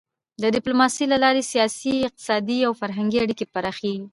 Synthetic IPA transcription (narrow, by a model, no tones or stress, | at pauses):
d̪ədɪplomɑsilalɑɾesijɑsiɪq̚t̪ɪ̥sɑd̪iawfaɾɦaŋɡiaɽikepaɾɑxeɡi